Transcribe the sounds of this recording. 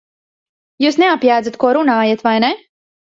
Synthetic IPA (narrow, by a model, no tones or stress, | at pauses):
juːsneapjaːd̪zat̪̚kuɔɾunaːjat̪vajne